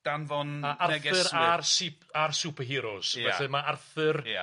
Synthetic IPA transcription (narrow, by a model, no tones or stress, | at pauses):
d̥anvɔnaarɛθɡɛɨɾarsɪparsuːpʰəɦɪːɾɔsjɛɬɨmaarθɨra